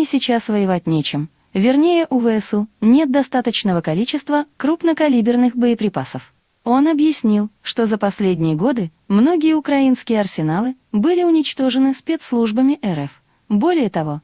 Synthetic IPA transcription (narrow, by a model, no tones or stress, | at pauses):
ɪsʲɪt͡ɕasvəjɪvat̚ʲnʲet͡ɕɪm | vʲɪrnʲejəʔʊvɨɛsunʲe̞t̪̚d̪ɐst̪at̪ət͡ɕnəvəkɐlʲit͡ɕɪst̪vəkɾupn̪əkɐlʲibʲɪrnɨxbəɪpɾʲɪpasəf | o̞nɐbjɪsʲnʲilˠʂt̪o̞zəpɐsʲlʲedʲnʲɪjəɡo̞d̪ɨ | mno̞ɡʲɪjəʊkɾɐinskʲɪjəɐrsʲɪnalˠɨ | bɨlʲɪʊnʲɪt͡ɕt̪o̞ʐɨnɨspʲet̪slˠuʐbəmʲɪʔɛɾɛf | bo̞lʲɪjət̪ɐvo̞